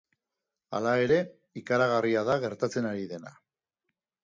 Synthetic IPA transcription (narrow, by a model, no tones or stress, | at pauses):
a̰lae̞ɾe̞ | ikaɾaɣ̞ariaðaɣ̞e̞ɾt̪at͡se̞naɾiðe̞na̰